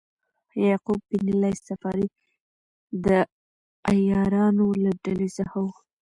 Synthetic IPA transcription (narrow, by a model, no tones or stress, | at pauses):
jɑqub̚binilajsafɑɾi | d̪ə | ajɑɾɑnolaɖalezahaw